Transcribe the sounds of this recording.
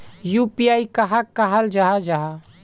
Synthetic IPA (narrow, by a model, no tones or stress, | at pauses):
jupiaːikəɦakːaɦəld͡ʒaɦad͡ʒaɦa